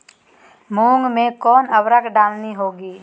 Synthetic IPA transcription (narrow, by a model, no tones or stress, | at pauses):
muːŋɡmẽkɔːnəwɾəkɖaːlniɦoːɡiː